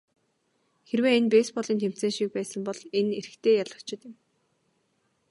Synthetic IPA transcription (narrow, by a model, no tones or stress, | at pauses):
xerweːenpeːspɔɮiːnt̪ʰem̥t͡seːŋʃik̚pæːsə̆mpɔɮenerɘ̆kt̪ʰeːjaɮə̆kt͡ɕɪ̆t̪jɪ̆m